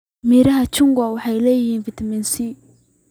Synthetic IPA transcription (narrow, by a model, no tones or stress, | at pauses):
miɾɐɦɐt͡ʃʊŋɡawɑħɑjlɛːjhiːnfɪt̪ʰɐmɛnsi